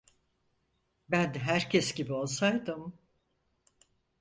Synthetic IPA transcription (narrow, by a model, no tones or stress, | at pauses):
bænd̪ɦæɾcʰɛsɟibio̞lˠsajd̪ɯm